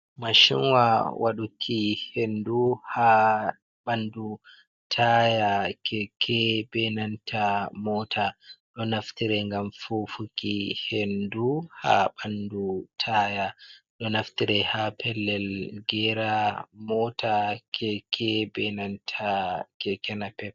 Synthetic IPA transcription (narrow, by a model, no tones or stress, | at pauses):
maʃinwawʔa̰ɗukʰihenduha | ɓandu | tʰajakʰɛkʰɛbɛnantʰamɔtʰaɗɔnaftiɾɛŋɡamfofukihenduha̰ɓandutʰajaɗɔnaftiɾɛhapʰɛlːɛlɡɛɾamɔtʰakʰɛkʰɛbɛnantʰakɛkɛnapɛp